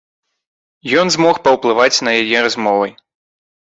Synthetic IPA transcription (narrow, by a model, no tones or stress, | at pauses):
jɔnzmɔxpɐwplˠɨvat͡sʲnɐjajɛɾazmɔvɐj